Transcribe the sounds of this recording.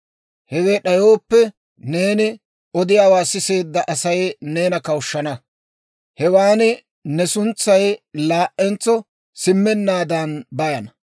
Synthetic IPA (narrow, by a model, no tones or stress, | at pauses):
hɛɡeːɗɐjo̞ːpːɛ | ne̞ːnɪ | ɔd̪ɪjaːwaːsɪse̞ːd̪ːɐʔɐsɐjne̞ːnɐkɐwʊʃːɐnɐ | hɛwaːnɪ | nɛsʊnt͡sːɐjlaːʔʔɛnt͡sːɔ | sɪmːɛnːaːd̪ɐnbɐjɐnɐ